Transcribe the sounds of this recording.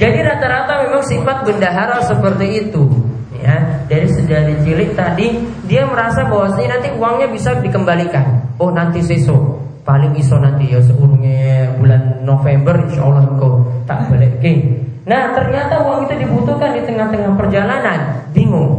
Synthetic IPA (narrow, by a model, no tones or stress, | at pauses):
d͡ʒadiɾat̪aɾat̪amemaŋsimpat̪̚bəndaɦaɾasəpərt̪iːt̪u | ja̰daɾisəndadit͡ʃilɪʔ̚t̪adi | diaməɾasabawasaɲanant̪iuwaŋɲabisadikəmbalikanohnant̪iseso | palɪŋisonant̪ijas̬əuɾuŋɛbulanːofembərinʃɔolaɦəŋkawt̪a̰ʔbəlɛʔɡɪnaht̪ərɲat̪auwaŋit̪udibut̪uhkandit̪əŋaht̪əŋahpərd͡ʒalanandiŋʊŋ